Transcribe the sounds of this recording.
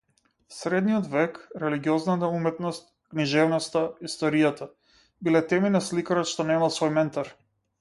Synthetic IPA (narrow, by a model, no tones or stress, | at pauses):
sɾɛd̪nijɔd̪vɛkɾɛliɡiɔznat̪aumɛt̪nɔst̪̚ | kniʒɛvnɔst̪aist̪ɔɾijat̪a | bilɛt̪ɛminaslikaɾɔt̪ʃt̪ɔnɛmalˠsvɔjmɛnt̪aɾ